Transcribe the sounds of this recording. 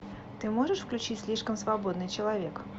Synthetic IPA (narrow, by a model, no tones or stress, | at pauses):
t̪ɨmoʐɨʂfklʲʉt͡ɕitʲsʲlʲiʂkəmsvɐbod̪nɨjt͡ɕɪlˠɐvʲe̞k